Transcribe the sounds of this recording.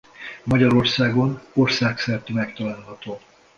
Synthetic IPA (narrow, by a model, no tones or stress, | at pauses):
mɒɟɒɾo̞rsaːɡo̞no̞rsaːksɛrt̪ymɛkt̪ɒlaːlɦɒt̪oː